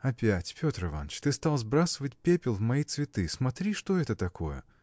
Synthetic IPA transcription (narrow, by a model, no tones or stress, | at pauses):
ɐpʲætʲpʲo̞t̪ɾɨva̰nːət͡ɕt̪ɨst̪alˠzbɾasəvətʲpʲepʲɪlˠvmɐit̪svʲɪt̪ɨsmɐt̪ɾʲiʂt̪oɛt̪ət̪ɐkʰojə̰